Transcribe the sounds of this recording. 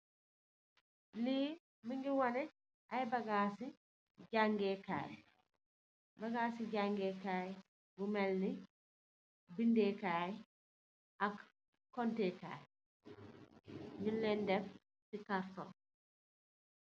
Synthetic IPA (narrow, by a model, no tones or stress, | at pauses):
li | miŋɡiwɔnɛ | ʔajbaɡaːsi | ɟaŋɡɛka̰ːj | baɡaːsiɟaŋɡɛkaːj | bumɛlni | bindɛkaːj | ʔakː | ɔnteka̰ːj | ɲullɛndɛf | sikaɾtɔ̰n